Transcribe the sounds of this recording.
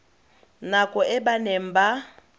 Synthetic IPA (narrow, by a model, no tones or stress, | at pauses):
nakʼɔʔɛbanem̩ba